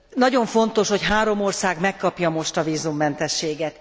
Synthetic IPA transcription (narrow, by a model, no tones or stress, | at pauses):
nɒɟo̞ɱfo̞nt̪o̞ʃho̞cɦaːɾo̞mo̞rsaːɡmɛkːɒpjɒmo̞ʃt̪ɒviːzumːɛnt̪ɛʃːeːɡɛt̪